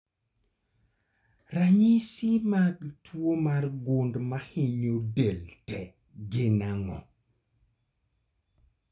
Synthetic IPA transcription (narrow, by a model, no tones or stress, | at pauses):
raɲisimaɡtʰwomarɡʊndmahɪɲodeltɛ | ɡɪnaŋɔ̰